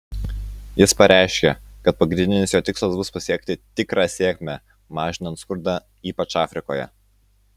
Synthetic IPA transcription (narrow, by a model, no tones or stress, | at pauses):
jɪspɐɾʲæˑɪʃʲkʲɛkɐt̪̚pɐɡɾʲɪnd̪ʲɪnʲɪsjoːt̪ʲɪkslˠɐsbʊspɐsʲiɛkt̪ʲɪt̪ʲɪkɾɑːsʲeːɛkʲmʲæ | mɑːʒʲɪnɐnt̪skʊɾd̪ɑː | iːpɐt͡ʃɑːfʲɾʲɪkoːjɛ̰